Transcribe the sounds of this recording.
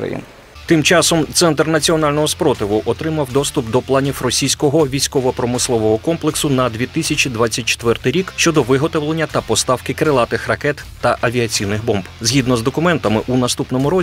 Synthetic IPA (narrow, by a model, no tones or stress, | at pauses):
ɾɐ̰jḭn | t̪ɪmt͡ʃɑsɔmt̪sɛnt̪rnɐt͡sʲiɔnɑlʲnɔɦɔspɾɔt̪ɪʋʊʔɔt̪ɾɪmɐwd̪ɔst̪ʊpd̪ɔplˠɑnʲiwrɔsʲijsʲkɔɦɔʋʲijsʲkɔʋɔpɾɔmɪslˠɔʋɔɦɔkɔmplˠeksʊnɐd̪ʲʋʲit̪ɪsʲɐt͡ʃid̪ʋat͡sʲːɐt̚ʲt͡ʃe̥t̪ʋɛrt̪ɪjɾʲikʃt͡ʃɔd̪ɔʋɪɦɔt̪ɔʋlˠenʲːɐt̪ɐpɔst̪ɑwkɪkɾɪlˠɑt̪ɪxrɐkɛt̪ːɐʔɐʋʲiɐt͡sʲijnɪɣbɔmbzɦʲid̪nɔzd̪ɔkʊmɛnt̪ɐmɪʔunɐst̪upnɔmʊɾɔ